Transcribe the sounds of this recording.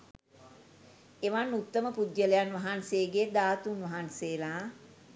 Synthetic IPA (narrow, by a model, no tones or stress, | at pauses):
eʋanːut̪ːəməpud̪jəlejanʋaɦanseɡed̪aːt̪unʋɐɦanseːlaː